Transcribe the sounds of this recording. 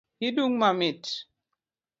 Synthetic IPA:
hiduŋmamit

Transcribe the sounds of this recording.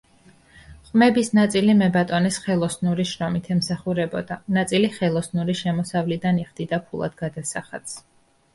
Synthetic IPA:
χʼmɛbisnat̪sʼilimɛbat̪ʼɔnisχɛlˠɔsnuɾiʃɾɔmit̪ʰɛmsaχuɾɛbɔd̪anat̪sʼiliχɛlˠɔsnuɾiʃɛmɔsavlid̪aniχd̪̥id̪apʰulˠa̰d̪ɡad̪asaχat̪s

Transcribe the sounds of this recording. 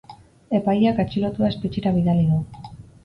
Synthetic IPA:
e̞pajakat͡ʃilot̪uaespet͡ʃiɾaβiðaliðu

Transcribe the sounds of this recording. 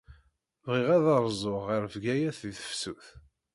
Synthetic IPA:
vʁiʁæðɑɾˤzˤoʁəɾvɡæjæθðiθə̥fsuθ

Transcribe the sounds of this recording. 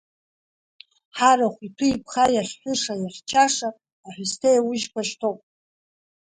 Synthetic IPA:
ħaɾaχʷitʰuipʰχajarħʷʊʂajart͡ʃʰaʂaː | ħʷᶣʊstʰejawʊʒkʷaʃtʰopʼ

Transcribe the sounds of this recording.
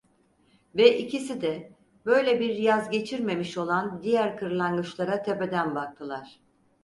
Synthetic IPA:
vɛʔicʰisid̪ɛ | bø̞jlʲɛbiɾjazɟe̞t͡ʃʰiɾme̞miʃo̞lˠand̪ijæɾkʰɯɾlˠaŋɡɯt͡ʃlˠaɾat̪ʰepe̞d̪ænbak̚t̪ʰɯlˠaɾ̥

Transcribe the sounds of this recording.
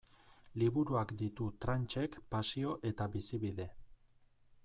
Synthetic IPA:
liβuɾuakd̪it̪ut̪ɾant͡ʃe̞kpasio̞ʔe̞t̪aβisiβiðe̞

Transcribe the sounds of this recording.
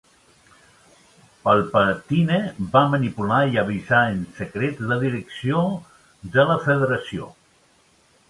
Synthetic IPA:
pəlˠpət̪inebamənipulaiəβ̞izaənsəkɾet̪ləðiɾəksio | d̪ələfəðəɾəsio̰

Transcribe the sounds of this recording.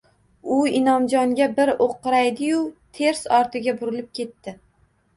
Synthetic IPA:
ʊɪnɒmd͡ʒɒŋɡʲabɪɾoqːɨɾajd̪ɪjʊt̪ʰe̞ɾsɒɾt̪ʰɪɡʲabʊɾɪlɪp̚kʲʰe̞t̪ːɪ

